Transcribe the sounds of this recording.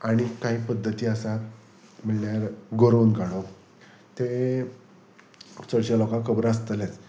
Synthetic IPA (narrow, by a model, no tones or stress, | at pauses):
aɽ̃ikãɦiːpəd̪ʱːət̪iːəsa | miɭɳjaɾɡoɾonɡaɽok | t̪e | t͡səɽɕjalokãkʰəbɾaəst̪əlet͡s